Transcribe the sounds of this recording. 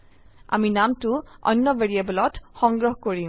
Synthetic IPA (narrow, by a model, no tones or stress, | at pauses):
a̰minamtʊʔɔ̰nːɔbeɹiebɔlɔtxɔŋɡɹɔɦkoɹĩ